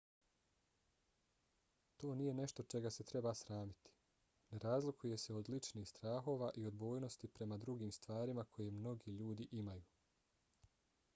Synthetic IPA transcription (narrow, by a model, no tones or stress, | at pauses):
t̪o̞ːnije̞ne̞ʃt̪o̞t͡ʃe̞ɡase̞t̪ɾe̞basɾaːmit̪i̥ | neɾaːzlikuje̞se̞o̞d̪lit͡ʃniːxst̪ɾaːxo̞ːʋaːʔio̞d̪bo̞ːjno̞st̪ipɾe̞mad̪ɾuɡiːmst̪ʋaːɾimakʰo̞je̞mno̞ɡiːʎuːd̪iʔimajuː